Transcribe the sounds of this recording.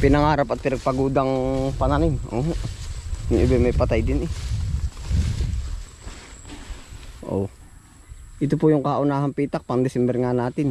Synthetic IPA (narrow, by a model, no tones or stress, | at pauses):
pinaŋaɾapat̪iɾɛk̚paɡudaŋpananino̰ɦ | niɲubɛmapat̪aidini | o̰ | it̪upujuŋkaʔunaɦampit̪ak̚paŋdɛsɛmbɛrŋanat̪in